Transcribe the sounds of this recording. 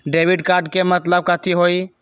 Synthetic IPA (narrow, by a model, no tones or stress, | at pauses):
ɖeːʋɪɖkaːɾɖkemət̪ləb̚kaːt̪ʰiɦoːi